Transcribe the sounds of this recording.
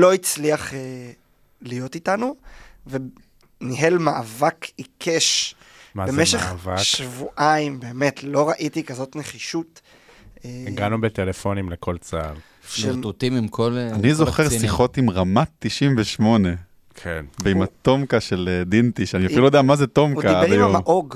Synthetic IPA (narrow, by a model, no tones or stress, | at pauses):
lo̞it͡sliaχe | lijo̞titanuve | niɦelmaavakikʰeʃ | mabemeʃeχvaʃvuʔaimbeːme̞tʰlo̞ʁaʔitikazo̞tneχiʃutː | ɡanubetelefo̞nimleko̞lt͡saːv | ʃieʁt̪utimimkʰolanizo̞χeʁsiχo̞timʁamat̪ːiʃimveʃmo̞ne̞ | kʰenveimat̪o̞mkaʃeled̪int̪iʃaniafiluojd̪eamazeto̞mkaajamaʔoɡ